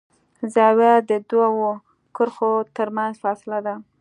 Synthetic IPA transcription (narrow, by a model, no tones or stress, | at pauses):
zɑwjad̪əd̪wawo | kʊɾxot̪əɾmanzfɑsɪlad̪a